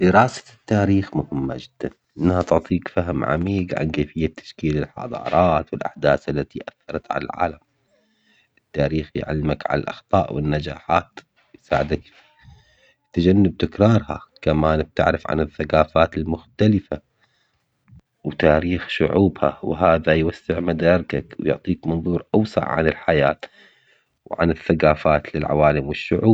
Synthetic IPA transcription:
d̪ɪɾɑːsḁt̪ːaːɾiːxmʊhɪmːa̰d͡ʒɪd̪̥ːanʔɪnːhat̪ʊʕt̪ˤiːkfaɦmʕa̰miːɡʕa̰nkeːfɪjːat̪ʰːḁʃkiːlɪlħɑ̰d̪ˤɑ̰ːɾˤɑːt̪wɪlʔa̰ħd̪aːsʔalːat̪iʔaθːɑɾˤɑt̪ʕa̰la̰lʕa̰ːlam | ʔɪt̪ːaːɾiːxjʕa̰lːɪmakʕa̰la̰lʔɑ̰xt̪ˤɑ̰ːʔwɪnːad͡ʒaːħaːt̪ | jsaːʕɪd̪ak | t̪ad͡ʒanːab̚t̪ɪkɾˤɑːɾˤha̰kamaːnb̚t̪ɪ̰ʕɾɪfʕa̰nɪθːaqaːfaːt̪ɪlmʊxt̪alɪfa | wt̪aːɾiːxʃʊ̰ʕuːbha̰wɦaːðajwasːɪʕmad̪aːɾkakwjʊ̰ʕt̪ˤiːkmɑnðˤuːɾˤʔawsˤɑ̰ʕʕa̰nɪlħajaːt̪ | wʕa̰nɪθːaqaːfaːt̪lɪlʕa̰waːlɪmwɪʃːʊʕuːb̚

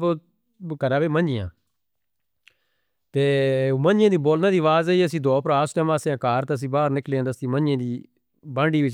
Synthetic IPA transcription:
kəɾãːbeːmə̃nd͡ʒɪjã̰ː | t̪eːmə̃nd͡ʒɪjãːd̪iːboːlnãːd̪iːʋaːzaiəsĩːd̪oːpɾaːsʈɛːmãːsãːkaːɾt̪eəs̬ĩːbaːɾnɪkleãːd̪əst̪iːmənd͡ʒjãːd̪iː | bãːɳɖiːʋɪt͡ʃ

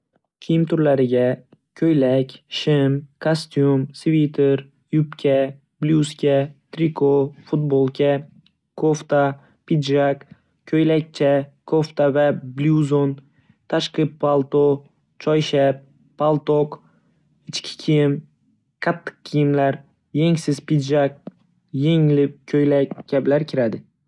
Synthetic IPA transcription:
kʲʰijɪmt̪ʰʊɾlaɾɪɡʲa | kʲʰɵjlakʲʃɪmkʰast̪jumsvit̪ʰeɾ | jʊpkʲʰa | bljuskʲat̪ʰɾikʰofʊt̪̚bolˠkʰʲa | kʰoft̪a | pɪd̪ʒak | kʲʰɵjlak̚ʲt͡ʃʰakʰoft̪avabljuzon | t̪ʰaʃqɨpːalˠt̪o | t͡ʃʰɒjʃap̚ | pːalˠt̪oq | ɪt͡ʃkʲʰɪ̥kʲʰijɪm | qʰɑt̪ʰːɨ̥q̚kʲʰijɪmlaɾ | je̞ŋsɪz̥pɪd̪ʒak̚ | jeŋɪlɪp̚kʲʰɵjlakɡʲablaɾkʲʰɪɾad̪ɪ

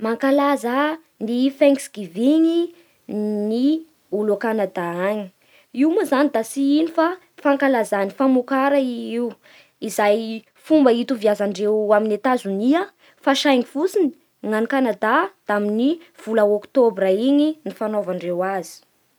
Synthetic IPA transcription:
maŋkalaza | nifɛŋksɡ̥iviɲi | ni | ulukanad̪aaɲi̥ | iumuzanid̪asiinifa | faŋkalazanifamukaɾaiiw | izaj | fumbəit̪uvijazaɳɖ͡ʐewaminet̪azuniə | faʃajŋifusini̥ | ŋanikanad̪ad̪̥aminiv̥ulaokt̪obraiɲinifanovaɳɖ͡ʐewazi̥

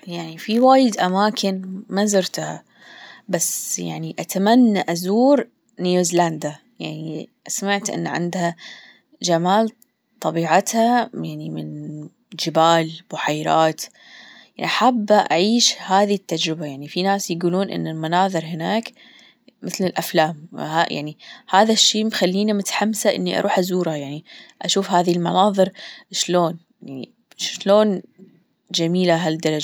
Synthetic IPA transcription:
jaʕnifiwaːjɪd̪ʔamaːkʰɪnmazʊɾt̪ha | basːja̰ʕniʔat̪amanːaʔazuːɾ | njʔɪzland̪a | jaʕniʔsamaʕt̪ʔɪ̰nːʕɪ̰nd̪ha | d͡ʒamaːl | t̪ˤɑbiːʕat̪hajaʕnimɪn | d͡ʒɪbaːlb̥ʊħajɾˤa̰ːt̪ | aʔaħabːʔaʕiːʃhaːðit̪ːad͡ʒɾɪbajaʕnifinaːsjɡuːluːnʔɪ̰nːɪlmanɑːðˤɨɾɦɪnaːk | mʔɪθlɪlʔaflaːm̰ha̰ja̰ʕnihaːðaʃːiːmxalːiːnimʊt̪ħamsaʔɪ̰nːiʔɑ̰ɾˤʔuːħʔazuːɾhajaʕniʔaʃuːfhaːðilmanɑːðˤɨɾʃloːn | jaʕnḭ | ʃloːn | d͡ʒamiːlaɦald̪ɑɾˤɑd͡ʒ

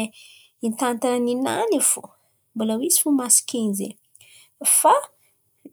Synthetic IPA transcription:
int̪ant̪annina̰nifṵ | mbolawizi̥fumasi̥kenzḛ | fa

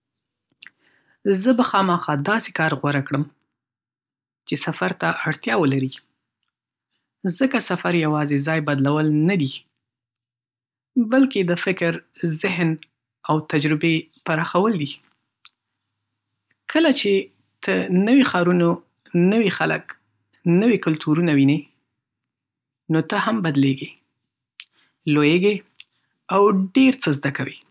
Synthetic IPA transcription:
zəbaxɑməxɑd̪ɑse̥kɑɾɣwaɾakɽəm | t͡ʃesafaɾt̪aʔaɽt̪jɑwəlaɾi | zəkasafaɾjawɑzezɑjbad̪lawəlnad̪i | balked̪əfɪkɾzɪɦn | awt̪ad͡ʒɾɪbe | paɾɑxawəld̪i | kʰəlat͡ʃe | t̪ʰənəwixɑɾuno | nəwixalə̰k | nəwikʊlt̪ʰuɾunawinə | not̪əhambad̪leɡe | lojeɡe | awɖeɾt͡səzd̪akawi

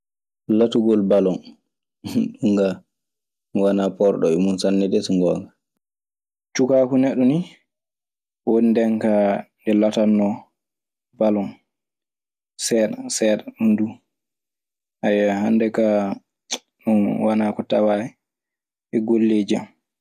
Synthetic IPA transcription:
latuɡɔlbalɔn | ɗuŋɡa | wanapɔɾɗɔ̰ɛmunsanːɛdɛsuŋɡɔːɡa | t͡ʃukakunɛɗːuni | wondɛŋkandɛlatanːɔ | balɔn | sɛɗasɛɗaɗundu | ʔajːaɦandɛka | ɗunwanakɔtawaɛ | ʔɛɡolːed͡ʒam

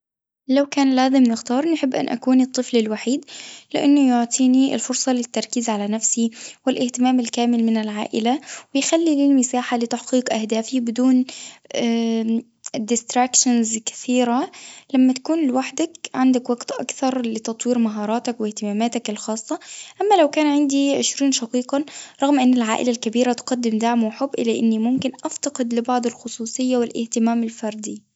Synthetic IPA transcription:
lawkaːnlaːzɪmnɪxt̪ɑːɾˤnħɪbːʔa̰nʔa̰kuːnɨt̪ˤːɨflɪlwaħiːd̪lɪ̰ʔanːʊjʊʕt̪ˤʰiːniɪ̰lfʊɾsˤɑlɪt̪ːɑɾˤkiːzʕalanafsiwɪlʔɪht̪ɪmaːmɪlkaːmɪlmɪnɪlʕa̰ːʔɪlawɪjxalːiliːlmɪsaːħalɪt̪aħqiːqʔahd̪aːfibɪd̪uːnː | d̪ɪst̪ɾakʃanzkɪ̥θiːɾalamːat̪ḁkuːnlɪwaħd̪akʕand̪akwaɡt̪ʔa̰kθɑɾˤlɪt̪ɑt̪ˤwiːɾmaɦɑːɾˤɑːt̪akwɪht̪ɪmaːmaːt̪akɪlxɑːsˤːɑʔamːalawkaːnʕɪnd̪iʕɪʃɾiːnʃɑqiːqɑɾˤɑɣmʔɪnːɪlʕa̰ːʔɪ̰lalkabiːɾat̪qɑd̪ːɪmd̪aʕmuwħʊbːʔɪ̰lːaʔɪnːimʊmkɪnʔaft̪ɑqɪd̪lɪbɑʕd̪ˤɪlxʊsˤuːsˤɨjːawɪlʔɪ̰ht̪ɪmaːmɪlfɑɾˤd̪i

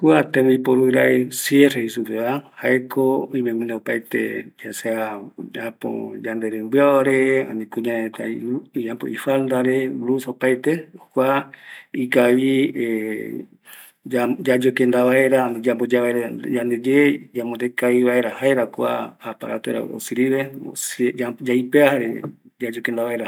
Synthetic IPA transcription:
kwat̪ẽmeipoɾuiɾaesjerehisupeβahaekʰoimẽmũnd̪eopajt̪ḛd͡ʒasead͡ʒapo̰d͡ʒand̪eɾembɨaaɾea̰nĩkuɲaet̪aijampo̰ifald̪aɾeɾusaopajt̪eokʷaikaβie | d͡ʒad͡ʒad͡ʒokend̪aβaeɾaned͡ʒambod͡ʒaβaeɾad͡ʒand̪ed͡ʒed͡ʒamod̪ekaiβaeɾahaeɾakʷa̰apa̰ɾa̰t̪oɾa̰o̰siɾiɾeo̰sad͡ʒaipeahaɾḛd͡ʒad͡ʒokend̪aβaeɾa

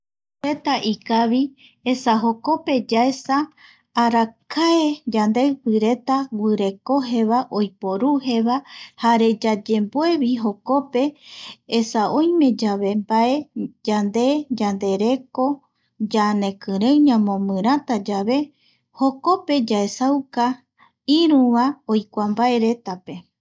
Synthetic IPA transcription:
ɾe̞t̪aʔikaβi | esaɦo̞ko̞pe̞d͡ʒaesaː | ɾakaed͡ʒand̪e̞pɨɾe̞t̪awɨɾe̞ko̞ɦe̞βaʔojpoɾuɦe̞βahaɾe̞d͡ʒad͡ʒe̞mboe̞βiɦo̞kope̞ː | saʔõjmẽ̞d͡ʒaβe̞mbae̞d͡ʒand̪e̞d͡ʒand̪e̞ɾe̞ko̞ | d͡ʒanẽ̞kɨɾẽɲãmõ̞mɨ̃ɾ̃at̪ad͡ʒaβe̞ | ho̞ko̞pe̞d͡ʒaesawka | iɾũβãojkʷambae̞ɾe̞t̪ape̞

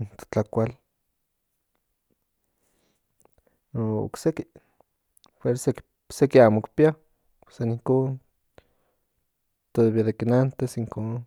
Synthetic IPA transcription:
t̪t͡ɬakʷal | noo̰kseki | fweɾsek | sekiamokpia | pe̥saniŋkoːn | t̪oðeβiaðekinant̪esiŋko

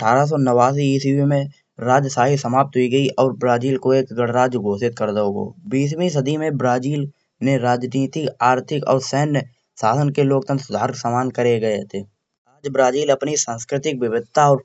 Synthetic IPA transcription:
əʈʰaːɾas̬ɔnəʋaːs̬iiːsiimẽ | ɾaːd͡ʒsaːɦisəmaːp̚t̪ɦʊiɡəiʔɔːɾbɾaːd͡ʒiːlkoeːkɡəɽɾaːd͡ʒɡʱoːsɪt̪̚kəɾd̪əoɡo̰ːbiːs̬mĩs̬əd̪ʱimẽbɾaːd͡ʒiːl | neɾaːd͡ʒniːt̪iaːɾt̪ʰɪkɔ̰ːɾsɛɦn | saːsənkeloːk̚t̪ə̃nt̪sʊd̪ʱaːɾɪksamaːnkəɾeɡɐet̪ʰeː | aːd͡ʒbɾaːd͡ʒiːlɐpnisãːnskɾɪt̪ɪk̚ʋɪʋɪd̪̚t̪ʰaɔːɾ

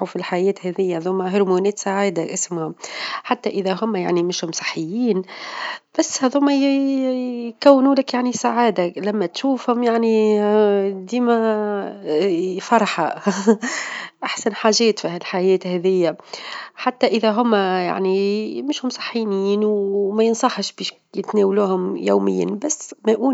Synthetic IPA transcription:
ufilħajɛːt̪hɛːðɪjːaðʊmːæɦʊɾmunɛːt̪saʕaːd̪aʔɪsmhʊmħat̪ːæʔɪðæɦʊmːæja̰ʕnimɪʃhʊmsˤɨ̥ħːɪjːiːn | b̥æsːhæðʊmːæj | jkæwːnuːlɪkjaʕnisaʕaːd̪alæmːæt̪ʃuːfhʊmjaʕni | d̪iːmæ | fɑɾˤɑħa̰ | ʔaħsænħaːʒɛːt̪fihælħajɛːt̪hɛːðɪjːaħat̪ːæʔɪðæɦʊmːæja̰ʕnimɪʃhʊmsˤɑ̥ħːiniːnwmæjənsˤɑħʃbiːʃ | jɪt̪nɛːwluːhʊmjawmɪ̰jːa̰nbæsːmæʔuː

